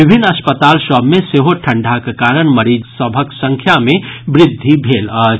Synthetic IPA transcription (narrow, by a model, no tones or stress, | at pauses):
ibʱinːəspət̪alsəbʱmẽseɦoʈʰə̃ɳɖʱakekaɾəɽ̃məɾid͡ʒsəbʱəksə̃ŋkʰjamebɾɪd̪ʱːibʱelə